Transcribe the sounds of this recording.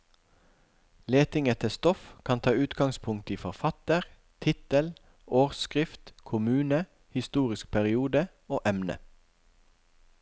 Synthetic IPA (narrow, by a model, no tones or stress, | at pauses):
leːt̪ɪŋət̪ʰɪst̪ɔfkʰɑnt̪ʰɑːʉːt̪ɡɑŋspʰʊŋ̚t̪iːfɔʁfɑt̪əʁ | t̪ʰɪt̪əl | oːʁskʁɪft̪kʰʊmʉːnə | hɪst̪uːʁɪsk̚pʰæʁɪuːd̪ə | oːʔɛmnə̰